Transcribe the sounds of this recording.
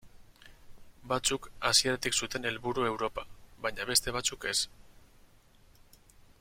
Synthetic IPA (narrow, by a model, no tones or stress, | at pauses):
bat͡sukasie̞ɾat̪iksut̪e̞ne̞lβuɾue̞wɾo̞paβajɲaβe̞st̪e̞β̞at͡suke̞s